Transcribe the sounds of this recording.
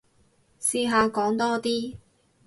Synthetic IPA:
siː˧ɦaː˨˧kɔː˨˥ŋt̪ɔː˥t̪iː˥

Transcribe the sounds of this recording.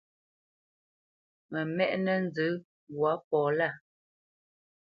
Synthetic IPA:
mɛ˨mɛ˦ʔnɛ˦n̩˦d͡zə˨˦ | ɣwa˨˦pɔː˨la˦˨

